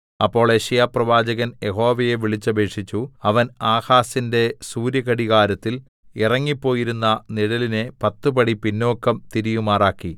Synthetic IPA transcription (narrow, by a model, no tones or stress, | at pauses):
ɐpːo̞ːɭeɕɐjaːprɐʋaːd͡ʑɐɣɐnje̞ɦo̞ːʋɐjeʋiɭit͡ɕːɐbʱe̞ːʂit͡ɕːuɐʋɐnaːhaːsinde̞suːɾjɐɣɐɽiɣaːɾɐt̪ːil | irɐŋːipːo̞ːjiɾunːɐniɽɐline̞pɐt̪ːupɐɽipinːo̞ːkːɐmt̪iɾijumaːraːkːi